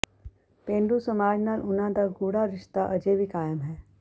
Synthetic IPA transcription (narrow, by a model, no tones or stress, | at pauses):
pẽːɳɖusəmaːd͡ʒnaːlʔʊnãd̪aɡuːɽaɾɪʃt̪aʔɐd͡ʒebʱikaːjəmɦɛː